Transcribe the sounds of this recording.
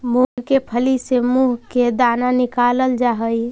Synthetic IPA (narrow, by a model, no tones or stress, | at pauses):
muɡkepʰəlisemuɦked̪ananikaləld͡ʒaɦəj